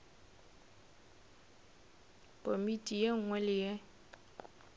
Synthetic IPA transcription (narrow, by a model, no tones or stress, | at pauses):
kʼomitʼijeŋ̩ŋwɛlɪje